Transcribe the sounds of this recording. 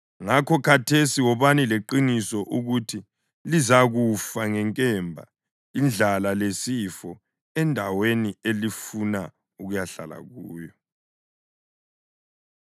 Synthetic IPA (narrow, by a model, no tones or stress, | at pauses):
ŋakʰɔkʰatʰesiwɔβanileǃinisɔʔuɣutʰi | lizaɣufaŋɛŋkʼɛmbʱa̰ | ind͡ɮʱalalesifɔ | ɛndʱawenielifuna | uɣujaɬa̰la̰ɣuːjɔ